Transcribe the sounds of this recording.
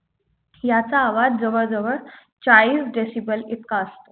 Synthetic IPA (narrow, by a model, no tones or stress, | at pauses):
jat͡saːʋadd͡zəʋəɭd͡zəʋəɽ | t͡ɕaɭiːsɖesibəlit̪̚kaəst̪o